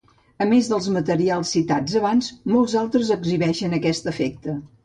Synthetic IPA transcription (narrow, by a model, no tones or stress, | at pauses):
əmezðəlˠzmət̪əɾialˠsːit̪ad͡zəβ̞anzmolˠzalˠt̪ɾəzəɡziβɛʃənəkɛst̪əfɛk̚t̪ə